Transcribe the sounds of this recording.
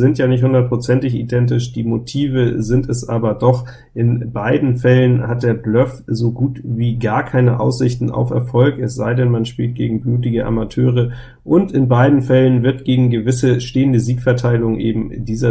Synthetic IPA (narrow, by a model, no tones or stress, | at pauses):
zɪntjaːnɪçthʊndɐt̚pʁ̥ot͡sɛntɪçḭdɛntɪʃd̥iːmotʰiːvəzɪntɛsʔaːbɐdɔχ | ʔɪnbaɪdn̩fɛlənhat̚d̥eːɐblœfzoɡuːtviːɡaːɐkʰaɪnəʔa̰ʊsz̥ɪçtn̩a̰ʊfɛ̰ɐfɔlkɛsz̥aɪdɛnmanʃpiːlt̚ɡ̥ḛːɡŋ̩bluːtɪɡəʔa̰matʰøːʁ̞ə | ʔʊntɪnbaɪdn̩fɛlənvɪɐtɡ̥eːɡŋ̩ɡəvɪsəʃteːəndəziːkfɛɐtʰaɪlʊŋʔḛːbm̩diːzɐ